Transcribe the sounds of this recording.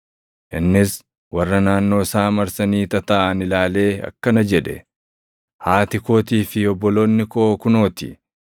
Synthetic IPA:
ʔɪnːɪs | wɐrːɐnaːnːo̞ːsaːmɐɾsɐniːt̪ɐt̪ɐʔɐnɪlaːle̞ːɐ̰kːɐnɐd͡ʒɛᶑɛ̰ | haːt̪ɪko̞ːt̪iːfɪɔbːɔlo̞ːnːɪkoːkʊno̞ːt̪ɪ̰

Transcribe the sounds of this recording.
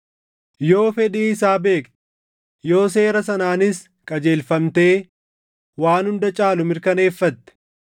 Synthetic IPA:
jo̞ːfɛᶑiːɪsaːbe̞ːkt̪ɛ̥ | jo̞ːs̬eːɾɐs̬ɐnaːnɪs | kʼɐd͡ʒe̞ːlfɐmt̪eː | waːnhʊnd̪ɐt͡ʃʼaːlʊmɪɾkɐne̞ːfːɐt̪ːɛ̥

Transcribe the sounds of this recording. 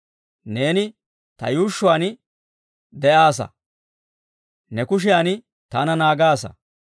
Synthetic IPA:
ne̞ːnɪ | t̪ɐ̰juːʃːʊaːnɪ | d̪ɛʔaːsɐ̰ | nɛkʊʃ̬ɪjaːnɪ | t̪anɐnaːɡaːsɐ̰

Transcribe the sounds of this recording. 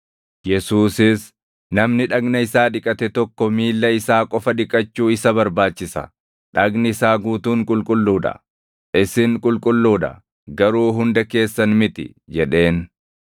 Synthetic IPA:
jɛsuːsɪs | nɐmnɪᶑɐɡnɐɪsaːᶑɪkʼɐt̪ɛt̪ɔkːɔmiːlːɐɪsaːkʼɔfɐᶑɪkʼɐt͡ʃːuːɪsɐbɐɾbaːt͡ʃːɪsɐ̰ | ᶑɐɡnɪsaːɡuːt̪uːŋkʼʊlkʼʊlːuːᶑɐ̰ | ɪsɪŋkʼʊlkʼʊlːuːᶑɐ̰ | ɡɐɾuːɦʊnd̪ɐke̞ːsːɐnmɪt̪ɪ̰ | d͡ʒɛᶑe̞ːn

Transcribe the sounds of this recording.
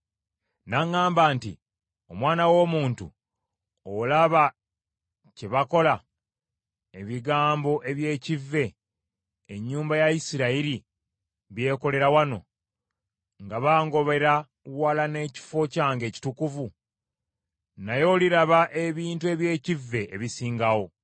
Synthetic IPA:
naŋːaːmbaːnti | o̞mwaːnawo̞ːmuːntṵ | olaβa | ce̞βako̞la | eβiɡaːmbo̞ʔe̞βje̞ːcivːe̞ː | ɲːuːmbajajisiɾaiɾi | βje̞ːko̞le̞ɾawano̞̰ | ŋɡaβaːŋɡo̞βe̞ɾa | walane̞ːci̥fo̞caːŋɡe̞ːci̥tukuvu | najo̞ːliɾaβaʔe̞βiːntue̞βje̞ːcivːe̞ːβisiːŋɡawo̞

